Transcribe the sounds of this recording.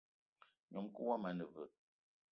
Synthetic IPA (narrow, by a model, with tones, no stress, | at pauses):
ɲɔ˨mkə˦wa˦ma˨˦nə˨və̰˨